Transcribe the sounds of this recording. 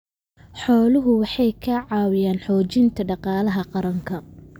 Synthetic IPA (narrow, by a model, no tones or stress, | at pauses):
ħɔːlʊɦʊwɑħɑjkʰɐʕɑːwɪjaːnħɔːt͡ʃɪnt̪ʰɐɖɑqɑːlɐɦɐqɑɾɐŋkʰɐ